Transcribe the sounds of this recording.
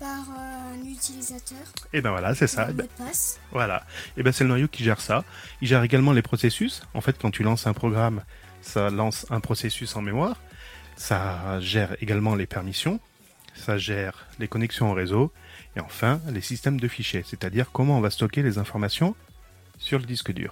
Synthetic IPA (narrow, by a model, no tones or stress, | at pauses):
paʁlyt̪ilizat̪œːʁebɛ̃vwalasɛsabpasvwala̰ebɛ̃sɛlənwajokʲiʒɛʁsa | ilʒɛʁeɡalmɑ̃lepχɔsesysɑ̰̃fɛt̪kɑ̃t̪ʰylɑ̃sɛ̃pχɔɡʁam | salɑ̃sɛ̃pχɔsesysɑ̃memwaːʁsaʒɛʁeɡalmɑ̃lepɛʁmisjɔ̃ | saʒɛʁlekɔnɛksjɔ̃ːʁezoeɑ̃fɛ̃lesist̪ɛmd̪əfiʃjeset̪ad̪iʁkɔmɑ̃ɔ̃vast̪ɔkʲelezɛ̃fɔʁmasjɔ̃ | syʁləd̪iskəd̪y̰ːʁ